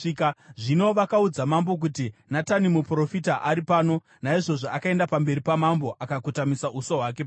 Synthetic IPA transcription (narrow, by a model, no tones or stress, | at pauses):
kʐino̞ʋakaud͡zamambo̞k̬utinatanimupro̞fitaʔaɾipaːno̞ | naiʐo̞ʐoʔakae̞ndapambe̞ɾipamambo̞ʔakakutamisaʔusoɦwake̞p